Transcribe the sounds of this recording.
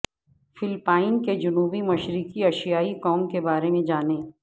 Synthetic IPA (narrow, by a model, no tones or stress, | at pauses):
fɪlpaːɪnked͡ʒʊnuːbimɐʃɾɪkiɐʃijaːikɔːmkebaːɾemẽd͡ʒaːnẽː